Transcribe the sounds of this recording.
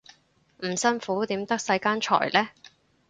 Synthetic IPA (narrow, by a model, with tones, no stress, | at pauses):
m̩˨˩sɐ˥nfuː˨˥t̪iː˨˥mt̪ɐ˥k̚sɐ˧jkaː˥nt͡ʃʰɔ̰ː˨˩jlɛː˥